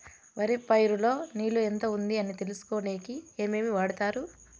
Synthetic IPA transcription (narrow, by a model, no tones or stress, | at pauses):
ʋɐɾipɐjɾulo̞ːniːlue̞nt̪ɐund̪iɐnit̪e̞lusu̥koːne̞ːkie̞ːme̞ːmiʋaːɽut̪aːɾu